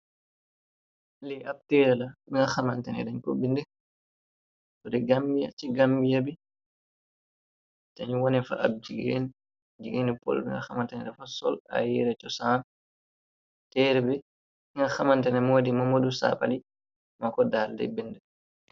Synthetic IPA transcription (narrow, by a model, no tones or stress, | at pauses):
lɛʔab̚tɛːɾɛlabiŋɡaxamantɛnɛ̰dɛɲkobindɛ | tɔdɛɡambija̰t͡ʃiɡambijabi | taɲuwɔnɛfa̰ʔab̚d͡ʒiɡḛn | d͡ʒiɡinipɔ̰lbiŋɡa̰xamantɛnɛdafasɔ̰la̰jɛɾɛt͡ʃɔsaːn | tɛɾɛbɛ | iŋɡaxamantɛnɛmoːdimamodusa̰pa̰li | makɔdaːldɛ̰bindɛ